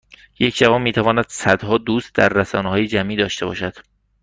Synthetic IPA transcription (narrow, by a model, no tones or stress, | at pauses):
je̞cʰd͡ʒævɒːnmiːt̪ʰævɒːnæd̪̥sæd̪̥hɒːd̪uːst̪̚d̪æɾːæsɒ̰ːnehɒːjed͡ʒæmʔiːd̪ɒːʃt̪e̞bɒ̰ːʃæd̪̥